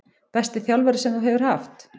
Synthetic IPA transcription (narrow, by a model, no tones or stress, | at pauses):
pɛst̪ɪθjawlvɛɾɪsɛmθuɦɛvʏɾ̥haft̪